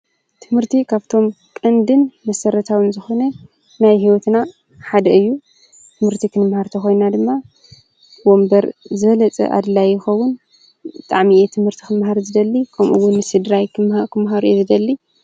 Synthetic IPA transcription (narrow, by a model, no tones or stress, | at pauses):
t̪ʰɨmhɨɾt̪ʰikʰaβt̪ʰo̞m | kʼɐnd̪ɨnmɐsɐɾɐt̪ʰawɨnzɨxo̞nɐ | najɦiwɔt̪na | ħad̪ɐɨjːu | t̪ʰɨmhɨɾt̪ʰikʰɨnɨmhaɾt̪ʰɐxo̞jnad̪ɨmːa | bwo̞mbɐɾzɨβɐlɐt͡sʼɐ̰ʔa̰d̪ɨlajːɪxɐwːʊn | bɨt̪ʼaʕmiet̪ʰɨmhɨɾt̪ʰikʰɨmhaɾzɨd̪ɐlːikʰɐmʔṵwːʊnːɨsɨd̪ɾajkʰɨmkʰɨmɦaɾuezɨd̪ɐlːi